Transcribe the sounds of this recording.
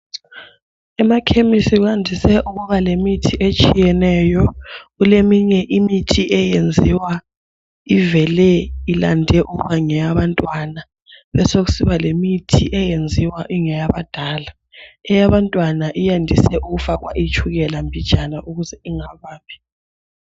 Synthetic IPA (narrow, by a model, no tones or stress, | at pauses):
ɛmakʰemisiɣuandʱisɛʔuɣuβalemitʰiʔet͡ʃʼijɛnɛjɔɣulemiɲɛʔimitʰiʔɛjend͡zʱiwa | ivɛlɛilandʱɛʔuɣuβaŋɛjaβantʼwana | βɛsoɣusiβalemitʰḭʔɛjend͡zʱiwaʔiŋɛjaβad̥ʱaːla | ɛjaβantʼwanaʔijandʱisɛʔuɣufaɣwa̰ʔit͡ʃʼuɣɛlambʱi̥ʒ̥ʼʱanaʔuɣuzɛiŋaβaːβɛ̥